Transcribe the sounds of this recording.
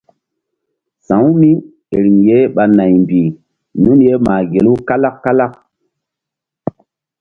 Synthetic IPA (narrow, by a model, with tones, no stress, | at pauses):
sã˨˦wmi˦ | e˨ɾi˨ŋje˦ɓa˨na˨jmbi˨ | nu˦nje˦ma˨ɡe˨lu˦ka˦la˦kːa˦la˦k̚